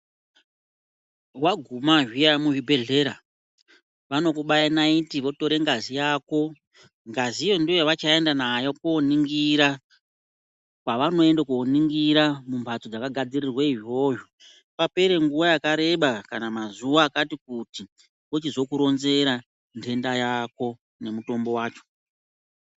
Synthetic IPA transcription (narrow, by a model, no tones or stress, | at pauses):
waɡʱumaʒiamuʒibʱe̞ɮe̞ːɾa | ʋano̞kuɓajanaitiʋo̞to̞ɾe̞ŋɡazijaːko̞ | ŋɡazijo̞ndiʋat͡ʃae̞ndanajokuoniŋɡiɾa | kwaʋano̞e̞ndakuoniŋɡiɾamumbʱat͡sod͡zakaɡʱad͡zirirweiɦo̞ːjo | pape̞ɾe̞ŋɡuʋajakaɾe̞ɓakanamazuʋaːkatik̚uti | ʋot͡ʃizo̞kuɾo̞nze̞ɾa | ntʰe̞ndajako̞ | ne̞muto̞mbo̞waːt͡ʃo̥